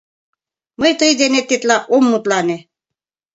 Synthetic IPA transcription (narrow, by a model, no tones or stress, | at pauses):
mɤjt̪ɯjd̪enet̪ːit̪lɑʔomːut̪lɑne